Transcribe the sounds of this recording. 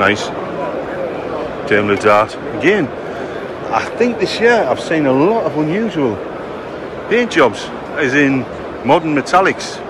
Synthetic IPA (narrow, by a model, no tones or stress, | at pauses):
naɪs | ʒ̥ɛ̃nlədaːˑt | əɡɛ̃n | a̰ɪθɪ̃ŋk̚ðɪsjɪəɹaɪv̥sĩnəlɔtəvə̃njʉːʒəwəlˠ | b̥ɛ̃nd̥ʒ̥ɒbz̥ | ɪzɪ̃n | mɒdən̩mɨtʰalɪks